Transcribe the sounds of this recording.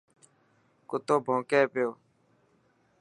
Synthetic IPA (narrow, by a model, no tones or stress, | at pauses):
kʊt̪oːbʱõːkeːpɪjoː